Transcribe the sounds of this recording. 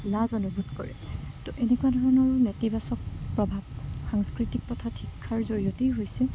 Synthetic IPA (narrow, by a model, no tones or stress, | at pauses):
lazɔnubʱutkɔɹɛ̰tɔʔenekuwadʱɔɹɔnɔɹnetibasɔk̚pɹɔbʱab̚xaŋskɹitik̚pɔtʰatʰikʰːaɹzoɹiotejɦojsɛ